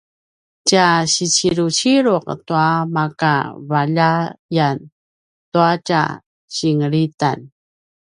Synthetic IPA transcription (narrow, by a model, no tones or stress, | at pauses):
caɕit͡ɕiɾut͡ɕiɾuqtuamaka̰vaʎajan | tuaca̰ | ɕiŋəɾita̰n